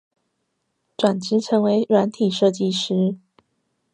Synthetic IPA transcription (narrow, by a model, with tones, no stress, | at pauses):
ʈ͡ʂwa˨˩nt͡ɕ̩˧˥ʈ͡ʂʰɤ˧˥ŋwe˧˥ɪɻwa˧˥nt̪ʰi˨˩ʂɤ˥˧t͡ɕi˥˨ʂɻ̩˥